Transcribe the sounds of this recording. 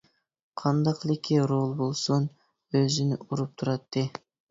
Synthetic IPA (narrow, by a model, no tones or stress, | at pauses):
qʰɑnd̪ɑqlˠɪkʲʰːiɾolˠbolˠson | øzɪnuɾup̚t̪ʰʊɾɑt̪ːe